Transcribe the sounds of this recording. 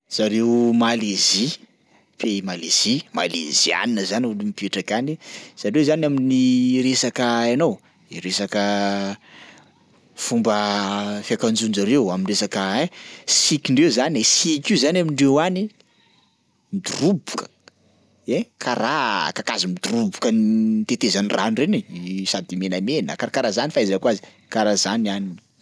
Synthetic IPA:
z̥aɾemalezi | pemalez̥ima̰lḛzia̰ninəzanulimipieʈ͡ʂakaniz̥aɾewzanaminiɾesakəanow | iɾesakə | fumbəfiakand͡ʒunzaɾewaminresakəesikiɳɖ͡ʐewzanesikizanamiɳɖ͡ʐewani | mid̪urubukə̥ | ekʰaɾa̰kakazimid̪urubukənit̪et̪ezaniranrenisad̪imenamenə̰kaɾkaɾazanifaizakwazi̥ | kaɾazanianini̥

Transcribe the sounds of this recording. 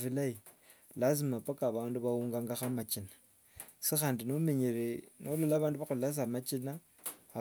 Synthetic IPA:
filai | las̬imapakaβaːnduβawuːŋɡaŋɡaxamat͡ʃinḁ | sixaːndinomeɲiɾenololaːβaːnduβaxulas̬amat͡ʃinaː

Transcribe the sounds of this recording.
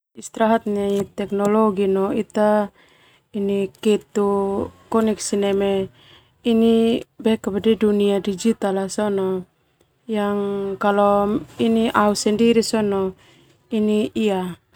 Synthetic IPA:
ist̪ɾaɦat̪̚ɲait̪ɛknɔlɔɡinɔit̪a | inikɛt̪ukɔniksinɛmɛ | inibɛkabadɛduniadid͡ʒit̪alasɔnɔ | jaŋkalɔiniʔausɛndiɾisɔnɔ | iniia

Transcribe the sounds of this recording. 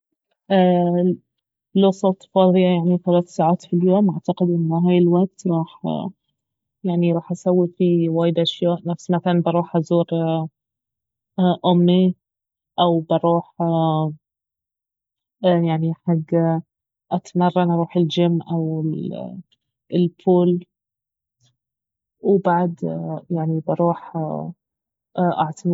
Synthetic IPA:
ʔæː | losˤɑt̪ˤfɑːðˤɨjɑjaʕniθælæːθsaːʕaːt̪filjoːmʔaʕt̪ɑqɪd̪ʔɪnːɦæːjɪlwaʔɡ̚t̪ɾˤɑːħ | jaʕniɾˤɑːħʔasæwːifiwaːjɪd̪ʔaʃjaːʔnæfsmæθælænbɑɾˤuːħʔazuːɾ | ʔʊmːi | ʔawbɑɾˤuːħ | jaʕniħaɡː | ʔat̪mɑrˤːʔɑnʔɑɾˤuːħɪld͡ʒɪmːʔawɪ | ɪlfʰuːl | wɪbaʕd̪jaʕnibɑɾˤuːħ | ʔaʕt̪ʰam

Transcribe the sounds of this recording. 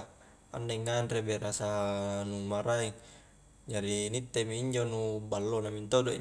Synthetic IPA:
a̰ndeŋːanrebeɾasanumaɾaiŋ | d͡ʒaɾinit̪ːemiːɲd͡ʒonubalːonamint̪odoḭ

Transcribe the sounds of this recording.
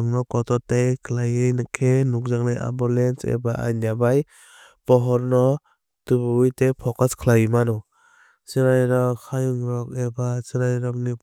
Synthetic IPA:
ŋnɔkɔtɔtajkʰlajejnakʰenuk̚zaŋnajʔa̰mbɔlensḛbaʔa̰njabaj | pɔɦɔɾnɔ | tubuijtepʰɔkaskʰlajimanɔ | siɾajɾɔkʰajuŋɾɔk̚ebasiɾajɾɔŋni

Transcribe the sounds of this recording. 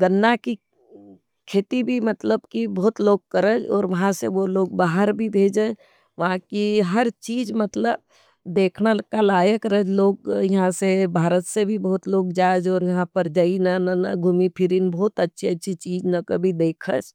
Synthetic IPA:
ɡənːaki | kʰeːt̪ibʱimɐt̪ləbkibɔːʊt̪loːɡ̚kəɾəd͡ʒɔːɾʋɐɦãseʋoloːɡbaːɦəɾbʱibʱeːd͡ʒə | ʋɐɦãkiɦəɾt͡ʃiːd͡ʒmət̪ləb | d̪eːkʰnalkalaːjəkɾəd͡ʒloːɡjɐɦãsebʱaːɾət̪sebʱibɔɦʊt̪loːɡd͡ʒaːd͡ʒɔːɾjɐɦãpəɾd͡ʒainanənɐɡʱumipʰɪɾinbɔːt̪ətːʃʰeətːʃʰit͡ʃiːd͡ʒnəkəbʱid̪eːkʰə̰d͡ʒ

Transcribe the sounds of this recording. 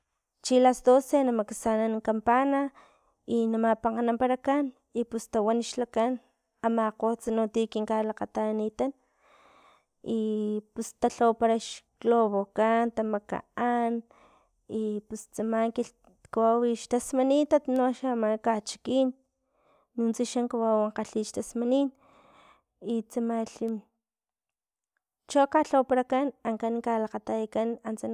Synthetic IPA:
t͡ʃilasd̪osenamaksanankampana | inamapaŋqanampaɾakan | ipust̪awaniʃlakan | amaqot͡sanot̪ikiŋkalaqat̪anit̪an | ipust̪aɬawpaɾaʃkloβokant̪amaka̰an | ipust͡samaŋki | kawawiʃt̪asmanit̪at̪noaʃamakat͡ʃi̥kiːnː | unt͡siʃaŋkawawaɴqaɬiːʃt̪asmanin | it͡samaɬi | t͡ʃokaɬopaɾakanaŋkankalaqat̪ajkanant͡san

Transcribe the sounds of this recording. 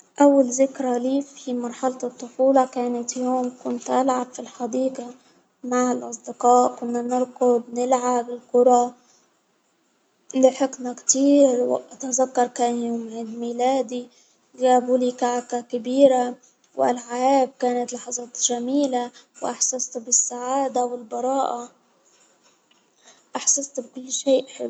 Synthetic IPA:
ʔawːalzɪkɾaliːfimɑɾˤħɑlt̪t̪ˤːʊfuːlɑkaːnat̪joːmkʊnt̪ʔalʕabfilħad̪iːqa | maʕɪlʔɑs̬ˤd̪ɪqɑːʔkʊnːanɪɾqʊbnɪlʕabɪlkʊɾˤɑ | nɪħɪknakt̪iːɾwʔat̪azakːɑɾˤkajoːmʕɪd̪miːlaːd̪i | ɡaːbuliːkaʕakakabiːɾa | wʔalʕaʔaːb̚kaːnat̪lɑħɑzˤɑːt̪ʒamiːlawʔaħsast̪bɪsːaʕaːd̪awɪlbɑɾˤɑːʔa | ʔaħsast̪b̚kʊlːʃeːʔħɪ

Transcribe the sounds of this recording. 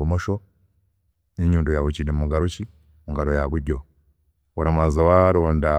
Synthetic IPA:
umɔʃɔ | niɲundujawut͡ʃinimuɡaɾut͡ʃi | muŋɡaɾɔjaɡuɟɔ | uɾamazawaɾonda

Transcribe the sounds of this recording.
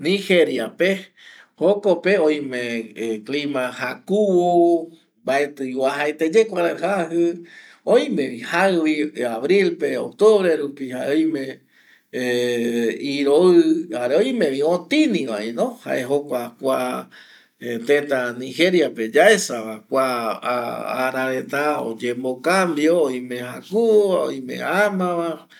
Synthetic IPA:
niheɾjape | hokopeõjmẽklimãhakuwo | mbaet̪ɨjwahaet̪ed͡ʒekʷaɾaɦaɦɨ | ojmẽβihaβiaβɾilpeok̚t̪oβɾeɾupihaeojmẽ | iɾoɨaɾeojmẽʋiõt̪inĩʋaenõha̰ʔeɦokʷakʷa | et̪ẽt̪aniɦe̞ɾjaped͡ʒaesaβakʷaː | ɾaɾent̪ao̰d͡ʒembokambjoːjmẽhakuao̰jmḛamãβa

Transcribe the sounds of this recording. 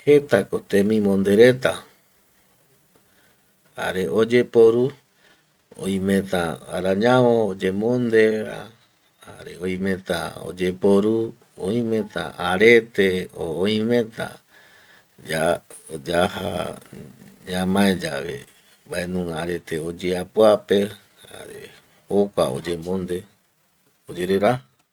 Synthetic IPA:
het̪akot̪ẽmĩmõnd̪eɾet̪a | ha̰ɾeʔod͡ʒe̞poɾu | õ̰ĩmẽt̪aaɾaɲãwõːd͡ʒemõnd̪eɾa̰ | ha̰ɾeoj̃mẽ̞t̪a̰o̰d͡ʒepoɾu | oĩmẽt̪a̰ʔaɾet̪eoːĩmẽ̞t̪a̰ | d͡ʒad͡ʒaha̰ | ɲãmãẽd͡ʒaβḛ | baenũŋɡaɾet̪eod͡ʒeapwape | ha̰ɾḛ | hokʷao̰d͡ʒemõnd̪e | od͡ʒeɾeɾa

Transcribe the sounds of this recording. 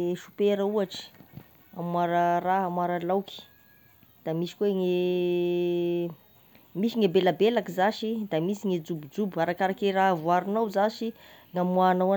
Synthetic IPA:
ʃu̥peɾəuaʈ͡ʂi̥ | amwaɾəɾaɦamwaɾəlawki̥ | d̪̥amisi̥kweŋe | misiŋebelabelakizaʃid̪amisiŋed͡zubud͡ʒubuaɾakaɾakeɾavuaɾinawzaʃi | ŋamuanawa

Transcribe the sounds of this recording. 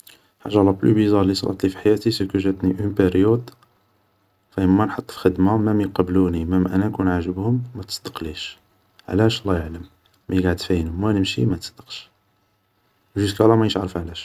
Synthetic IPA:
ħa̰ʒːɑlːˤɑblṵbizɑɾlisˤlˤʔɑ̰t̪ˤlifiħajæt̪isəkuʒæt̪niʔəmpeɾjut̪ | fæəmːænħɑt̪ˤːfi̥xəd̪mamæmijqɑbluniməmːʔænænkunʕaʒəbhʊmːæt̪ə̥sˤd̪ə̥qliʃ | ʕlæʃlˤːæjəʕləmː | æjəɡaʕəd̪fæjənhʊmwænəmʃḭmæt̪ə̥sˤd̪̥ə̥qʃ | wʒuskælæmæjəʃʕɾəfʕlæʃ

